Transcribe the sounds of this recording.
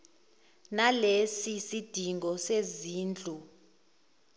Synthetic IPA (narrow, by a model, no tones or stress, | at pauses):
nalesisid̥ʱiŋɡɔseziːnd͡ɮʱu